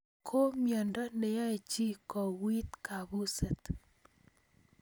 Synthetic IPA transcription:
kʰo˦mjɔ˨ndɔ˦ne˨ja˦e˨t͡ʃi˦kɔ˨wi˦t̪ka˨bu˦sɛ˨t̪

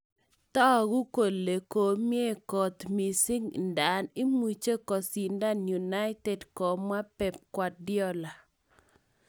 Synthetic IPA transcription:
t̪ɔ˦˨ɡu˦ko˨le˨ko˨mje˦kɔ˨t̪mi˨si˦ŋnda˨nɪ˦mwi˨t͡ʃe˦kɔ˨si˨nda˦nju˨na˦ɪ˦tɛ˨dkɔ˨mwa˦pɛ˨p̚kwa˨t̚djɔ˦la˨

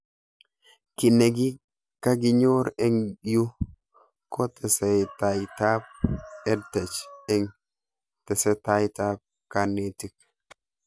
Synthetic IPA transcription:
ki˨ne˨ɡi˦ | ka˦ɡi˦ɲo˦ɾe˦ŋju˦ | ko˦t̪ɛ˨sɛ˨jta˨jta˦p̚ɛ˦dtɛ˨t͡ʃɛ˦ŋ | tɛ˨sɛ˦ta˦jta˦p̚ | ka˨nːe˨ti˦k̚

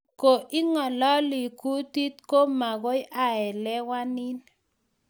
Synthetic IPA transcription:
ko˨ʔɪ˦ŋɔ˨lɔ˦li˨ku˦ti˦t̪ko˦ma˨ɣo˦jʔa˨ɛ˨lɛ˦wa˦nɪ˦n

